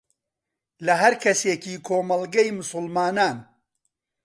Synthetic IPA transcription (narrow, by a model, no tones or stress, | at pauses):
lɐɦɐɾkʰɐseːkiːkʰoːmɐlˠɡɐjmʊsʊlmaːnaːn